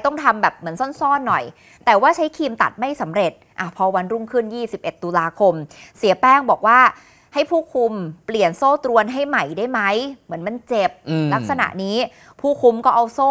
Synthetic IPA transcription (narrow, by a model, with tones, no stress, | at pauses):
t̪ɔ˥˩ŋt̪ʰa˧mbɛː˨˩p̚mɯ˩˦ənsɔ˥˩nsɔː˥˩nːɔ˨˩j | t̪ɛː˨˩waː˥˩t͡ɕʰa˦˥jkʰiː˧mt̪a̰˨˩t̪̚ma˥˩jsa˩˦mɾe˨˩t̪̚ʔa˧˩pʰɔː˧wa˧nɾuː˥˩ŋkʰɯ˥˩njiː˥˩si˨˩p̚ʔe˨˩t̪ːu˧laː˧kʰo˧msi˨˩˦pɛː˥˩ŋbɔː˨˩k̚waː˥˩ | ha˥˩jpʰuː˥˩kʰu˧mpli˨˩ənsoː˥˩t̪ɾu˧ənɦa˥˩jma˨˩jdaː˥˩jma˦˥jmɯ˩˦ənma˧nt͡ɕe˨˩p̚la˦˥k̚sa˧na̰˨˩ʔniː˦˥ | pʰuː˥˩kʰu˧mkɔː˥˩ʔa˧wsoː˥˩